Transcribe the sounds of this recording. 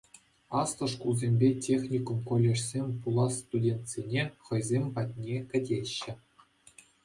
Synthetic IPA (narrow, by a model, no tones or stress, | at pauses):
ɑst̪ɤ̆ʂkulˠzʲemʲbʲetʲexʲnʲikumkolʲːeʂsʲemʲpulˠɑst̪udʲent̪ʲsʲenʲeχɤ̆jzʲemʲpɑtʲnʲekʲɘ̆dʲeɕːɘ̆